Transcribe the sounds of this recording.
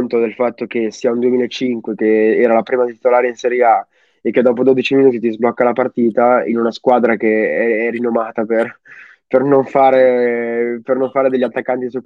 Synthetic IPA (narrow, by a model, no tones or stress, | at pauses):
nt̪od̪elfat̪ːok̟esiːaund̪uemiːlaet͡ʃːiŋkwek̟eɛːɾalapɾiːmad̪t̪i̥t̪olaːɾeinsɛɾjea | ekːed̪ːɔːp̬od̪oːd̪it͡ʃiminuːt̪̬it̪izblɔkːalapart̪iːt̪aḭnunaskwaːd̪ɾakeɛɛrːinːomaːt̪aper | pernoɱfaːɾe | pernoɱfaːɾed̪eʎːat̪ːakːant̪isuk